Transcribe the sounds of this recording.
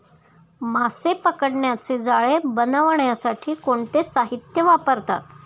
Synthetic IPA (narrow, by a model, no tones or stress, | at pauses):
masepəkəɽɳjat͡sed͡zaɭebənəʋɳjasaʈʰiːkoɳt̪esaɦit̪jəʋapəɾt̪a̰t̪